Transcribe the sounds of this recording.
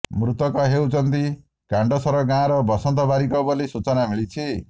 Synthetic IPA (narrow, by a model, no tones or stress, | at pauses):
mɾut̪ɔkɔɦewt͡sʌnt̪i | kãɳɖɔsʌɾɔɡãɾɔbʌsɔnt̪ɔbaɾikɔbʌlisut͡sɔnamiɭit͡sʰe